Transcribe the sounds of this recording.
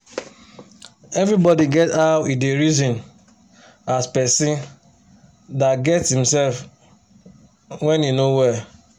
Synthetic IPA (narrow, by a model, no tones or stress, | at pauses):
ɛvɾibɔdiɡɛtaʊideɾizɔ̃n | aspɛsĩn | datɡɛtshĩm̩sɛlf | wɛ̃ninowɛ